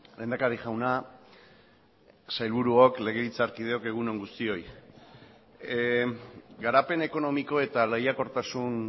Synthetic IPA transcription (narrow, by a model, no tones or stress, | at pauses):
le̞ːnd̪akaɾiʝawna | sajlβuɾuokle̞ɣ̞e̞βit͡saɾkið̞e̞o̞ke̞ɣ̞uno̞ŋɡust̪io̞j | ɡaɾape̞ne̞ko̞no̞miko̞e̞t̪alejako̞ɾt̪asun